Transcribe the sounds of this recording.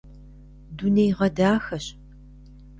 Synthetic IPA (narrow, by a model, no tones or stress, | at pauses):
dunejʁɐdaːxɐɕ